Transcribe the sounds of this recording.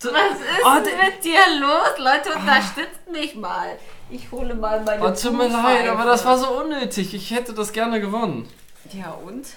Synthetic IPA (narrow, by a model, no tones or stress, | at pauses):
z̥odasɪɔtmɪt̚d̥iːɐloːslɔʏtəʊntɐʃtʏt͡stmɪçma̰ːl | ʔɪçhoːləmaːlmaɪt͡sumiɐlaɪtaːbɐdasv̥aːɐzoːʔʊnːøːtʰɪçɪçhɛtədasɡ̥ɛɐnəɡəvɔnən | jaːʔʊnt